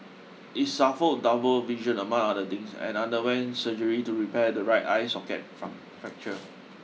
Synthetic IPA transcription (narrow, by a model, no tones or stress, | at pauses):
ʔitsafəldabəlviʒə̃nəmãŋadətĩŋsɛ̰̃nãndəwɛ̃nsəd͡ʒəɹituɹipɛdəɹaɪta̰ɪsɔkɛ̰t̚fɹã̰m | fɛk̚t͡ʃə